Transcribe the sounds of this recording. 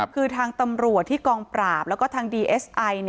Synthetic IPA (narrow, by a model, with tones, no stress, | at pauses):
kʰɯː˧t̪ʰaː˧ŋt̪a˧mɾu˨˩ət̪ʰːiː˥˩kɔː˧ŋpɾaː˨˩p̚lɛː˦˥wkɔː˥˩t̪ʰaː˧ŋdiː˧ʔe˦˥sʔa˧jn˩